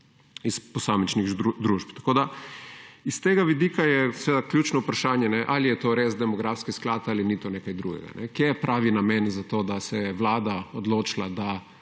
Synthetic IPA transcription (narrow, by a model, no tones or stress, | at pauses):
isposaːmit͡ʃniɣd̪ɾuːʃpt̪ḁkoːd̪a | ist̪eːɡaʋid̪iːkajɛsʋeːd̪akljuːt͡ʃnoupɾaʃaːnjɛnɛʔalijɛt̪oɾeːzd̪ɛmɔɡɾafskisklaːt̪alinit̪onekajd̪ɾṵɡɛ̰ɡa̰nʔɛ̰kjepɾʔaːʋinamɛnzat̪oːd̪asɛɛʋlaːd̪aod̪lot͡ʃilad̪a